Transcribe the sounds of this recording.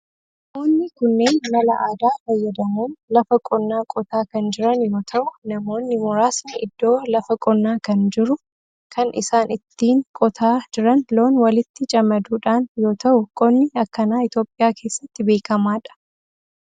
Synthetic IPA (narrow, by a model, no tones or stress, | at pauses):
moːnːɪkʊnːe̞ːnmɐlɐ̰ʔaːd̪aːfɐjːɐd̪ɐmuːnlɐfɐkʼɔnːaːkʼɔt̪aːkɐnd͡ʒɪɾɐnjo̞ːt̪ʰɐʔʊnɐmo̞ːnːɪmʊɾaːsnɪʔɪd̪ːo̞ːlɐfɐkʼɔnːaːkɐnd͡ʒɪɾʊ | kʰɐnʔɪ̰saːnɪt̪ːiːŋkʼɔt̪ʰaːd͡ʒɪɾɐnlo̞ːnwɐlɪt̪ːɪt͡ʃʼɐmɐd̪uːᶑaːnjo̞ːt̪ɐʔʊkʼɔnːɪɐkːɐnaːɪt̪jo̞ːpʼːɪjaːkʰe̞ːsːɐt̪ːɪbe̞ːkɐmaːᶑɐ̥